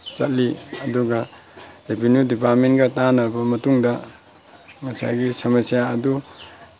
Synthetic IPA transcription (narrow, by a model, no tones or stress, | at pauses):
t͡ʃɐt̚liɐduɡɐ | ɾepʰinjudipat̚menɡɐtanɐɾbɐmɐtuŋdɐ | ŋɐsa̰jɡisɐmɐsijaːdu